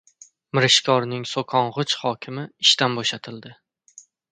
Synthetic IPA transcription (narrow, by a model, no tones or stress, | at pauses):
mɪɾɪʃkʰɒɾnɪŋsokʰɒɴʁɨt͡ʃhɒkʲʰɪmɪɪʃt̪anboʃat̪ʰɪld̪ɪ